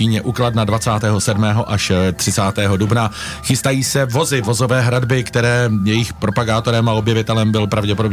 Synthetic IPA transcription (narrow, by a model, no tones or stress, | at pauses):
iːɲɛʔuːklad̪nadvat͡saːt̪ɛːɦo̞sɛdmɛːɦo̞ʔaʃt̪r̥ɪt͡saːt̪ɛːɦodubna | xɪst̪ajiːsɛvo̞zɪvo̞zo̞vɛːɦɾadbɪkt̪ɛɾɛːjɛjɪxpɾo̞paɡaːt̪o̞ɾɛmao̞bjɛvɪt̪ɛlɛmbɪlpɾavɟɛpo̞do̞b